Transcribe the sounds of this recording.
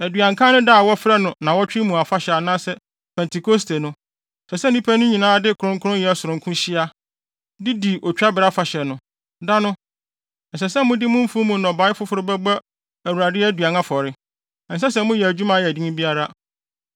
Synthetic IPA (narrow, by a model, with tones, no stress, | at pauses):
æ˨dɥã˨ŋkʰã˦nʊ̃˦da˦˨wɔ˦fɪ˦ɾa˦nʊ̃˨nã˨wɔ˦t͡ɕᶣɪ˦mũ˨a˨fa˦ɕɛ˨a˨nãː˦sɛ˦ | pʰɛ̃˨ntʰi˨kʰo˦stʰe˨nʊ̃˦ | sɛ˨sɛ˦n˦nĩ˦pʰæ˦nʊ̃˦ɲĩ˨nãː˦dɪ˦kʰɾʊ̃˦ŋkʰʊ˦ʊ̃˦njɛ˨˦˨sʊ˨ɾʊ̃˨ŋkʰʊ̃˦ɕɪ˦a˦ | dɪ˦di˨ʔɔ˨t͡ɕᶣa˦bɪ˨ɾa˦fa˨ɕɛ˨nʊ̃˦ | da˦nʊ̃˦ | n̩˨s̬ɛ˨sɛ˦mʊ̃˦dɪ˦mʊ̃˦m̩˦fũ˦mũ˨nɔ̃˨ba˨˦ɪ˦fʊ˦fʊ˦ɾʊ˦bæ˦ba˦ | æ˨wu˨ɾa˨dɪ˦æ˦dɥa˨nã˦fɔ˨ɾɪ˦˨ | n̩˨sɛ˦sɛ˦˨mʊ̃˦jɛ˨æ˨d͡ʑᶣu˦mã˨jɛ˨di˦ŋĩ˦bi˦a˦ɾa˦